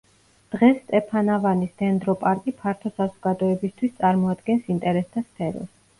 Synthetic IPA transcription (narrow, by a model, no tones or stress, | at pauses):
d̪̥ʁɛst̪ʼɛpʰanavanist̪ʰɛnd̪ɾɔpʼaɾkʼipʰaɾt̪ʰɔsazɔɡ̥ad̪ɔɛbist̪ʰwist̪sʼaɾmɔad̪̚ɡɛnsint̪ʼɛɾɛst̪ʰaspʰɛɾɔ̰s